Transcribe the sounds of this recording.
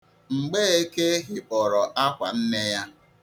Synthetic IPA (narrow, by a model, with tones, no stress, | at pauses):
ŋ͡m̩˨ɡ͡be˦e˦ke˦ɦɪ˨ɔ˨ɾɔ˨ʔa˦kʷa̰˨n̩˦ne˦ja˦